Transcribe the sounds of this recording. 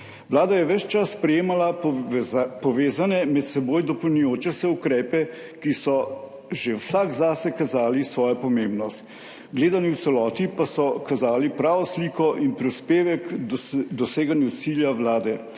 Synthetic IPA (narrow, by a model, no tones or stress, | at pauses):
ʋlaːd̪ajɛʋɛt͡ʃt͡ʃasːpɾɛjeːmala | pɔʋeːzanɛmɛt̪sɛboːjd̪ɔpɔwnujoːt͡ʃɛsɛukɾɛːpɛ | kisɔ | ʒewsaɡzaːsɛkazaːlisʋɔːjapɔmembnɔst̪ | ɡleːd̪aniwt̪sɛlɔːt̪ipasɔkazaːlipɾaːʋɔsliːkɔʔinpɾispeːʋɛkd̪ɔseːɡanjut̪siljaʋlaːd̪ɛ